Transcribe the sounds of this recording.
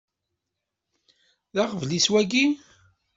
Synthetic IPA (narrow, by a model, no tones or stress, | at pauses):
ðaʁəvliswæɡi